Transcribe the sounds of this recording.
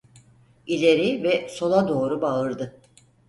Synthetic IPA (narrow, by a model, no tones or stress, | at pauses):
ilʲe̞ɾivɛso̞lˠad̪o̞ːɾubaɯɾd̪ɯ